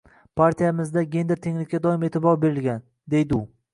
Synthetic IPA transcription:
pʰaɾt̪ʰijamɪzd̪aɡʲe̞nd̪ɪɾt̪ʰeŋlɪkʲːad̪ɒɪme̞t̪ʰɪbɒɾbe̞ɾɪlɡʲan | d̪e̞jd̪ɪʊ

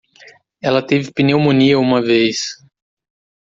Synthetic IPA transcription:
ɛlɐt̪evɪpinewmõniɐũmɐvejs

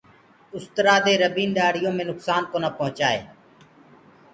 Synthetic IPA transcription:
ʊst̪ɾaːd̪eːɾəbiːnɗaːɽɪjõːmẽːnʊksaːnkoːnaːpəɦʊt͡ʃaːḛː

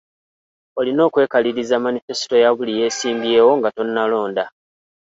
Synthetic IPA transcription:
o̞lino̞ːkwe̞ːkaliɾizamanife̞si̥to̞jaβulije̞ːsiːmbje̞ːwo̞ŋɡato̞nːalo̞ːnda

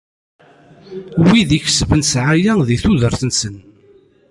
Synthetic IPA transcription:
wiðiçə̥svənsʕajæðiθuðəɾθənsən

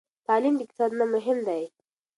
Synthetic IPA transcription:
t̪ɑlimd̪əkɪ̥t̪ɑb̪namʊɦɪmd̪aj

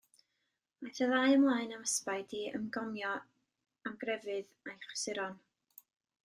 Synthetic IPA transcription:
ajθəðaɨəmlˠaːɨnaməspaɨdiə̰mɡɔmjɔ | amɡrɛvɨð | ajχwə̥sɪɾɔn

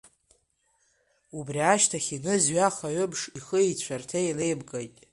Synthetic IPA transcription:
ubriaʃtʰaχʲinɨzɥaχaɥʏbʂiχəit͡ɕʷʰartʰejle̞jbɡʼajtʼ

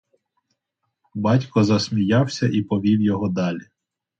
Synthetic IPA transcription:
bɑtʲkɔzɐsmʲijɑwsʲɐʔipɔʋʲiwjɔɦɔd̪ɑlʲi

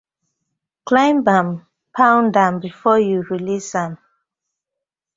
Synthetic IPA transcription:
klãɪ̃mbãm | pʰãʊ̃ndãmbifɔjuɹilisãm

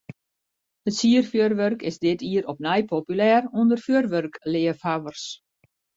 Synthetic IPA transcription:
ətsiərfjørʋørkɪzdɪtʰiəɾɔpnɛjpʰopylɛːrundərfjørʋørklɪəfhaʋərs

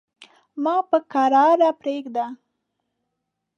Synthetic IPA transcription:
mɑpəkaɾɑɾapɾeɡd̪a

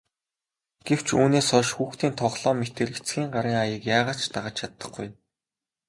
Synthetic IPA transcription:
ɡ̥ew̥t͡ɕuːneːsɔʃxuːxt̪iːnt̪ʰɔχɮɔːmet̪eːɾet͡sɡʲiːŋɢaɾiːŋajə̆kjaːʁaːt͡ɕt̪aʁə̆t͡ɕt͡ɕʰat̪ːə̥̆χɡuj

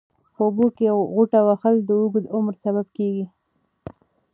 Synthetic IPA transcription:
pobokeɣuʈawaxəld̪əuɡd̪ʊmɾsaβab̚keɡi

